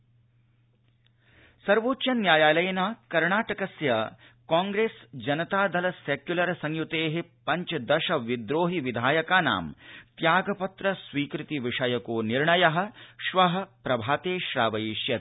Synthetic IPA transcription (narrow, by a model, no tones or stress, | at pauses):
sɐɾʋoːtːʃɐnjaːjaːlɐjɐnaːkɐɾɳaːʈɐkɐsjɐ | kaːŋɡɾeːsd͡ʒɐnɐt̪aːd̪ʱɐlɐsekjulɐɾɐsɐŋjut̪eːɦepɐɲt͡ʃɐd̪ɐʃɐʋid̪ɾoːɦiʋid̪ʱaːjɐkaːna̰ːmt̪jaːɡɐpɐt̪ɾɐsʋiːkɾit̪iʋiʂɐjɐkoːniɾɳɐjɐɦɐ̆ʃʋɐɦɐ̆pɾɐbʱaːt̪eːʃɾaːʋɐjiʃjɐt̪